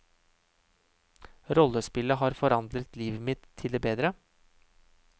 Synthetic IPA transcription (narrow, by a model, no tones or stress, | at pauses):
ɾɔlːəspɪləɦɑːɾfɔɾɑnd̪ɾət̪liːʋəmɪt̪ʰːɪld̪eːbeːd̪ɾə